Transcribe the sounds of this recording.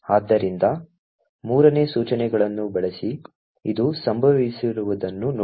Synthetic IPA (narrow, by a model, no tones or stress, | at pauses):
aːd̪ːɐɾind̪ɐ | muːɾɐne̞ːsuːt͡ʃɐnɛɡɐɭɐnːubɛɭesi | ḭd̪usɐmbʱɐʋisiɾuʋud̪ɐnːunː